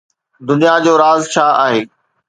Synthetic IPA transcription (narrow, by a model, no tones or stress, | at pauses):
d̪ʊnijad͡ʑoːɾaːzt͡ɕʰaːa̰ːɦeː